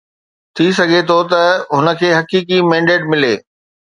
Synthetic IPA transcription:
t̪ʰis̬ɐɡʱet̪ʰot̪ɐɦʊnə̆kʰeːɦɐkiːkimɛ̃ːɳɖeːʈ̚mɪleː

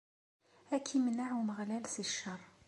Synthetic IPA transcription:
ækʰimənaʕuməʁlælsiʃːərˤː

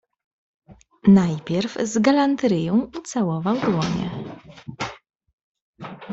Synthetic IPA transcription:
najpʲjɛɾvzɡalant̪ɾɘjɔ̃w̃ut̪sawɔvawd̪wɔɲɛ̰

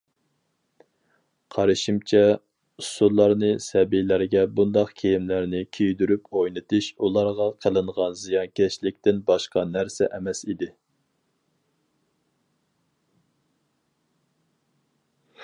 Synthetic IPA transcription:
qʰɑɾɨʃimt͡ʃʰɛ | usullˠːɑɾnɨsɛbijlæɾɡʲɛbund̪ɑqkʲʰejimlæɾnɪkʲʰejd̪yɾypojnɨt̪ʰɨʃulˠɑɾʁɑqʰəlˠɨɴʁɑnzijɑnkʲʰɛʃlɪk̚ʲt̪ɪnbɑʃqɑnæɾsɛʔɛmɛsid̪ɪ

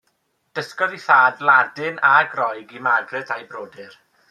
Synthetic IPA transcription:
d̥əskɔðiθaːdlˠadɪnaɡrɔjɡimaɡrɨtʰajbroːdɨr

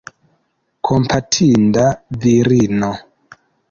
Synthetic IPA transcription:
kʰompʰatʰindaviɾino

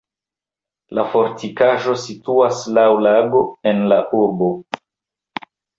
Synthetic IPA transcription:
lafo̞ɾtʰikaʒo̞situaslawlaɡo̞e̞nlaʔuɾbo̞

